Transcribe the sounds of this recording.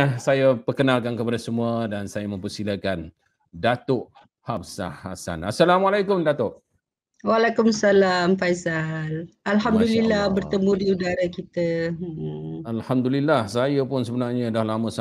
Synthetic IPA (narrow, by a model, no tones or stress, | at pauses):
asajapərkənalkankəpadasəmuadansajamə̃mpəsilakan | dat̪ʊʔ | hapsa̰ha̰sa̰nasːalamalajkʊmdat̪ʊʔ | walakumsalamfajzalalhamddulilːahbərt̪əmũdiudaɾakit̪a | alhamd̪ulilːahsajapʊnsəbənarɲadahlamə̃sa